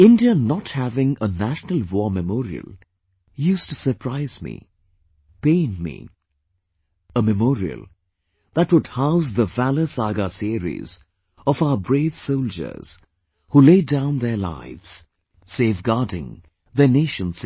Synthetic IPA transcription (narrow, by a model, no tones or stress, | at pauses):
ɪ̃ndiənəthævɪ̃ŋənæʃnəlˠwɔːɹmɨmɔːɾiə̰lˠ | juːstusə˞pʰɹaɪz̥mḭ | pẽɪnmḭ | əmɨmɔːɾiə̰lˠ | ðætwʊd̚haʊzðəvæləsaɡasiɾḭz | ɔvaʊəbɹeɪv̥soʊlˠd͡ʒə̰˞z̥ | huleɪdãʊ̃nðəla̰ɪvz̥ | seːvɡɑdɪ̰̃ŋ | ðəneɪʃə̃ns